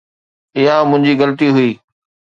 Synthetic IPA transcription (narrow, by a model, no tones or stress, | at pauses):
ɪɦãmʊ̃ɦɪ̃ɲd͡ʑiɣɐlət̪iɦʊiː